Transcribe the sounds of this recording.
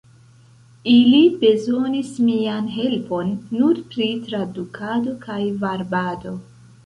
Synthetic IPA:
ilibe̞zo̞nismianɦe̞lpo̞nːuɾpɾitɾadukʰado̞kajvaɾbado̞

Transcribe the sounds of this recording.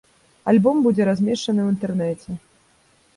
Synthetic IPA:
alʲbɔmbud͡zʲɛɾazʲmʲɛʂt͡ʂɐnɨwint̪ɛrnɛt͡sʲɛ

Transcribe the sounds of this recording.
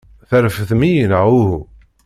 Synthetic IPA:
θæɾfθmijənʕuhu

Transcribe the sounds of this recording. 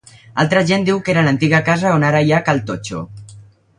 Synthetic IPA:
a̰lˠt̪ɾəʒend̪iwkeɾələnt̪iɣəkazəonaɾəjakalˠt̪ot͡ʃo̰

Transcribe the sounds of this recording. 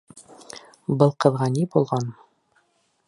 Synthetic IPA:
bɤlˠqɤ̆ðʁɑnibulˠʁɑn

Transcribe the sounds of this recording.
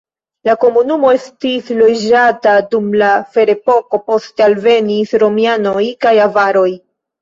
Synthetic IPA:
lako̞munumo̞e̞stislo̞d͡ʒatadumlafe̞ɾe̞po̞ko̞po̞stealve̞nisɾo̞miano̞jkajavaɾo̞j

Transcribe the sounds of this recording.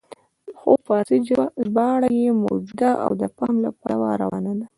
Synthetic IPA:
xopɑziʒbɑɽajemo̰wd͡ʒud̪aʔa̰wd̪əpɑmlapɑwaɾawɑnad̪a

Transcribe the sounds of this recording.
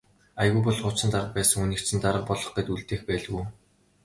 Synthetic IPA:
ajɣuːpɔɮχʊt͡sə̆nt̪aɾəq̚pæːsə̆ŋunĭkt͡sɘ̆nt̪aɾə̆q̚pɔɮɞ̆χijt̪uɮt̪eːxpæːɮ̆ɣuj

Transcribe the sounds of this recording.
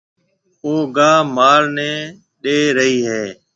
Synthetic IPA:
oːɡaːmaːɾnɛ̃ː | ɗeːɾəɦiːɦeː

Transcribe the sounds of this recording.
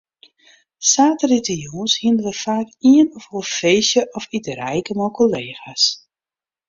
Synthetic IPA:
saːtəritəjuːnshindəʋəfaːkiənɔfɔfeːsjəʔɔfitərɛjkəmɔlˠkʰoleːxas

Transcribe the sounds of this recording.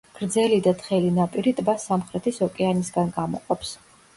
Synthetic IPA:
ɡ̥ɾd̪zɛlid̪at̪χɛlinapʼiɾit̪ʼbasamχɾɛt̪ʰisɔkʼɛanisɡanɡamɔ̰qʼɔps

